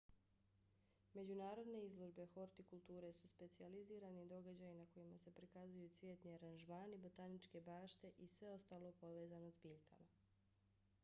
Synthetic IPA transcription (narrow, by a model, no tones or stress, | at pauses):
me̞d͡ʑunaːɾo̞d̪ne̞izlˠo̞ʒbe̞xo̞ɾt̪ikulˠt̪uːɾe̞suspe̞t̪sializiːɾaned̪o̞ɡad͡ʑajinako̞jimase̞pɾikazujut̪sʋjeːt̪niaɾanʒmaːnibo̞t̪anit͡ʃke̞baːʃt̪e̞ʔisʋe̞o̞st̪aːlˠo̞po̞ʋeːzanozbiːʎkʰa̰ma